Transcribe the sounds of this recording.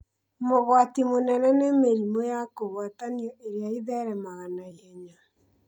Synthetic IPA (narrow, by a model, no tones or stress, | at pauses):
moɣwatimonɛnɛnɛmeɾimojakoɣwataniɔʔeɾeaiðɛɾɛmaɣanaihɛɲa